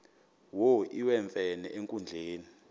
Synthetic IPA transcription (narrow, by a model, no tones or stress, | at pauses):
woʔiwɛɱfɛnɛ̰ʔeŋkʼund͡ɮʱeːni